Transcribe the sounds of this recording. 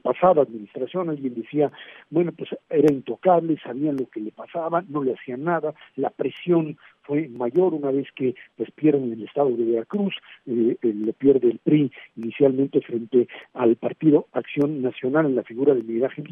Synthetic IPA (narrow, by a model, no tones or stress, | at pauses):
pasaðaːðminist̪ɾasjo̞nalɣje̞nd̪esiabwe̞no̞pwese̞ɾaint̪o̞kaβle̞saβianlo̞ke̞le̞pasaβano̞le̞asianaðalapɾe̞sjo̞n | fwe̞maʝo̞ɾunaβe̞ske̞pwespje̞ɾðenelest̪aðo̞ðe̞βe̞ɾakɾus | lo̞pje̞ɾðelpɾiːnisjalmẽnt̪e̞fɾe̞nt̪e̞alpaɾt̪iðo̞aksjo̞nːasjo̞nalenlafiɣuɾaðeminiɾaxen